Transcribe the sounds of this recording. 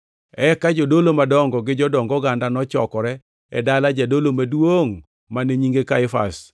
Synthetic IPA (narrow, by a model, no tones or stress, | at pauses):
ɛkad͡ʒodolomadɔŋɡɔɡɪd͡ʒɔdɔŋɡɔɡandanɔt͡ʃɔ̰kɔɾɛ | ɛ̰dalad͡ʒadolomadwoŋ | maneɲiŋɡekaɪfa̰s